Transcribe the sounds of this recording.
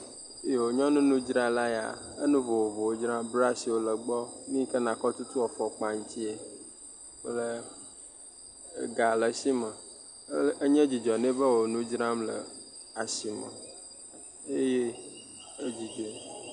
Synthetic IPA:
je˨wo˨ɲɔ̃˦nũ˦nũ˦d͡ʒɾã˦la˦ja̰˨ə̰˦nũ˦vo˨wo˨vo˨wo˦d͡ʒɾã˦bɾa˦si˨wo˦lə˨ɡ͡bɔ˦nĩ˦kə˦nã˨kɔ˦t̪u˦t̪u˦wɔ˨fɔ˨k͡pa˨ŋ̩˦t̪i˦e˨ | k͡plə˦ | ɡa˨lə˨si˦mə˨˦ | ə˦ɲɛ̃˦d͡ʑi˨d͡ʒɔ˨nẽ˦bə˦wo˨nũ˦d͡ʒɾã˦mlə̰˨a˨si˨mə̰̃˨ | e˦je˦ | e˦d͡ʑi˨d͡ʒe˨

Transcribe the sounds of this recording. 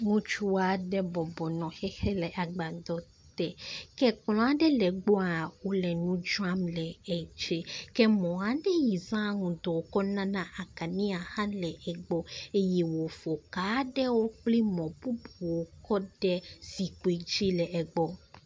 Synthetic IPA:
ŋũ˦t͡ʃu˦a˨ɖɛ˦bɔ˨bɔ˨nɔ̃˨xɛ˦xɛ˦lɛ˨ʔa˨ɡ͡ba˨d̪ɔ˦ | t̪ɛ˦kɛ˦k͡plɔ̃˦a˨ɖɛ˦lɛ˨ɡ͡bo˦a˨wo˦lɛ˨nũ˦d͡ʒu˦a˦mlɛ˨ɛ˨d͡ʒe˦kɛ˦mɔ̃˨a˨ɖɛ˦ji˨zã˦ŋũ˨d̪ɔ˨kɔ˦nã˦nã˦ʔa˨ka˨nĩ˦a˨hã˦lɛ˨ɛ˨ɡ͡bɔ˦e˦jɛ˦wo˨fo˨ka˨˦ɖɛ˦wo˦k͡pli˦mɔ̃˨bu˦bu˨wo˨kɔ˦ɖɛ˦zi˨ko˨e˨d͡ʒi˦lɛ˨ʔɛ˨ɡ͡bɔ˨

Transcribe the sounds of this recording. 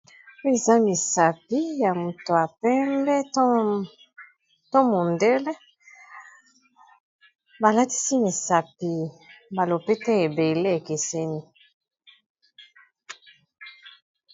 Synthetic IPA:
e˨za˦mi˨sa˨pi˦ja˨mu˨to˨a˨pɛ˦mbɛ˦ | tɔ̃˦mo˨ndɛ˦lɛ˦ | ba˨la˦ti̥˦si˦mi˨sa˨pi˨ba˨lo˨pe˦tɛ˦e˨be˨le˦e˨ke˨sɛ˦ni˦

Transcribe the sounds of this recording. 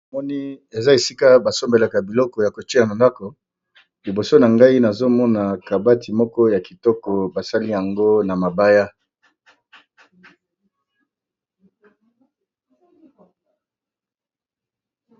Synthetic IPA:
mɔ˦ni˦e˨za˦e˨si˦ka˦ba˨so˦mbe˨la˨ka˨bi˨lɔ˦kɔ˨ja˨ko˨t͡ʃe˦a˨ma˨nda˦kɔ˨ | li˨bo˨so˦na˨ŋɡa˦i˦na˨zo˦mɔ˦na˨ka˨ba˦ti˨mɔ˦kɔ˦ja˨ki˨tɔ˦kɔ˨ba˨sa˦li˦ja˨ŋɡo˦na˨ma˨ba˦ja˦

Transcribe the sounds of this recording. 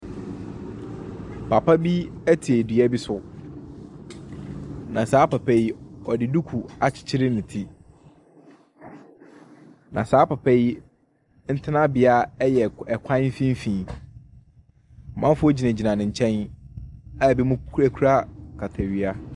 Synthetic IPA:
pʰa˨pʰa˦bi˦æ˦tʰi˨e˨dɥæ˦bi˦sʊ˦ | nã˨saː˦pa˨pʰɛ˦ji˦ɔ˨dɪ˨du˦kʰu˨a˨t͡ɕʰɪ̥˨t͡ɕʰɪ˦ɾɪ˦nʊ̃˨tʰi˦ | nʔã̰˨saː˨˦pa˨pʰɛ˦j | n̩˦tʰɪ˦nã˦bɪ˨a˦ɛ˦jɛ˨ɛ˨kʷʰã˦fĩ˦m̩˦fĩː˨ | m̩˨mã˦m˦fʊ˦ɔ˦d͡ʑi˨næ̃˨d͡ʑi˨nã˨nɪ̃˨ɲ̩˨t͡ɕʰɛ̃˦n | a˦˨bi˦mʊ̃˦kʰɾæ˦kʰu˦ɾa˦kʰa˨tʰa˨ɥi˦a˦

